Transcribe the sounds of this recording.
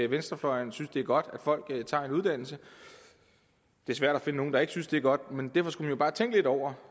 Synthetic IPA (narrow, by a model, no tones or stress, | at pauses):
ʋensd̥ʁɐflɒɪɐnsynsd̥eæɐɡ̥ɒ̽d̥æd̥fɒ̽l̰ɡ̥t͡sʰɑ̰̈e̝nuð̞ˠd̥æn̰l̩sə | d̥e̝æɐsʋæɐ̰dæfe̝nəno̝ːn̩d̥ɑ̈e̝ɡ̥synsd̥e̝æɐɡ̥ɒ̽d̥mend̥æɐfɒ̽sɡ̥umænjo̝bɑ̈ːt͡sʰeŋɡ̥əle̝dɒʊ̰ɐ